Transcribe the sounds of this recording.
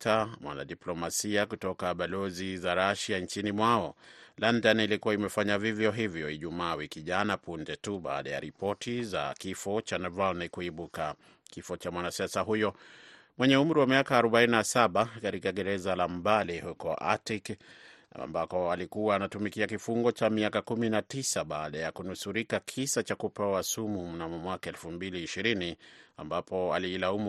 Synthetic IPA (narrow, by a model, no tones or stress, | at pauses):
tamwʔa̰na̰ɗiplɔmasiakutɔkaɓalɔzizaɾaʃant͡ʃinimwaɔlandanilikuwaimɛfaɲavivjɔɦivjɔiʄumaːwikiʄanapundɛtuɓa̰ːɗaja̰ɾipɔtiza̰kifɔt͡ʃanɛvalnikuiɓuka | kifɔt͡ʃamwanasiasaɦujɔ | mwɛɲɛum̩ɾiwamiakaːɾɔɓaininasaɓakaɾikaɡɛɾɛzalam̩balihukɔʔa̰tik | a̰mbakɔalikuwaːnatumikiakifuŋɡɔt͡ʃamiakakuminatisaɓaːɗajakunusuɾikakʰisat͡ʃakupɛwasumum̩namumwakaɛlfumbiliːʃiɾinia̰mbapʰɔaliːlaumu